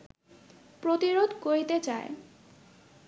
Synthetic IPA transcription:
pɾot̪iɾod̪ʱkoɾit̪et͡ɕae

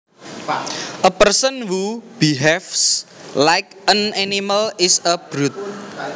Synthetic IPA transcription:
ʔəpərsənhub̥iɦɛfslajk̚ənaniməlɪsəb̥ɾut̪̚

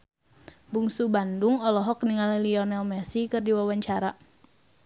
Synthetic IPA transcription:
buŋsubandʊŋɔlɔɦɔk̚niŋalɛliɔnɛlmɛsikɨrdiwawaɲt͡ʃaɾa

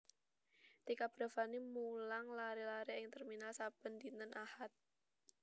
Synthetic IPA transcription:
t̪ikab̥ɾa̤fanimulaŋlaɾelaɾeɪŋt̪ɛrminalsab̥ənd̪int̪ənʔahat̪̚

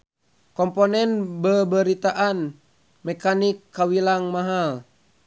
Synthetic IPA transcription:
kɔmponɛnbəbəɾit̪aʔan | mɛkanikːawilaŋmaɦal

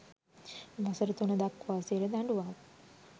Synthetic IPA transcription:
ʋasəɾət̪unəd̪akːʋaːsiɾəd̪aɳɖuʋa

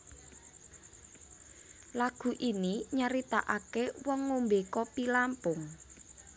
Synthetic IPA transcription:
laɡ̥ṳʔiniɲaɾit̪aʔakewɔŋːumbekɔpilampʊŋ

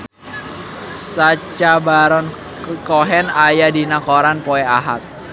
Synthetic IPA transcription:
sat͡ʃabaɾɔn | kɔɦɛnajadinakɔɾanpɔɛaɦa̰t̪̚

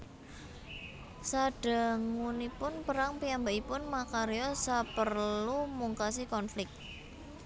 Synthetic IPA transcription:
saɖ̥a̤ŋunipʊnpəɾaŋpiambaʔipʊnmakaɾeɔsapərlumuŋkas̬ikɔnflɪk̚t̪̚

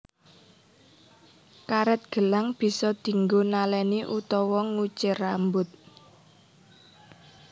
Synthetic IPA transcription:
kaɾɛt̪̚ɡ̥ə̤laŋb̥i̤sɔd̪̥i̤ŋɡonalɛniʔut̪ɔwɔŋut͡ʃɪrambʊt̪̚

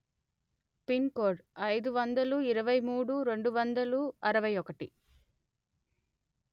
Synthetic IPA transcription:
pinkoːɾɖɐjd̪uʋɐnd̪ɐluiɾɐʋɐjmuːɽuɾe̞ɳɖuʋɐnd̪ɐluɐɾɐʋɐjɔkɐʈi

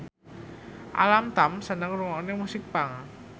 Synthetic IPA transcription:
ʔa̰lamt̪amsənəŋruwaonemusɪk̚paŋ

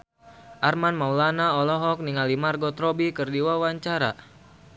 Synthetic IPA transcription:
ʔarmanmaulanaɔlɔɦɔk̚niŋalimarɡɔt̪ɾɔbikɨrdiwawaɲt͡ʃaɾa̰

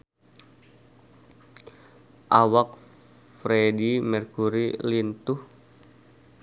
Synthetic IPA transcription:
ʔawak̚ | fɾedimɛrkuɾilint̪uh

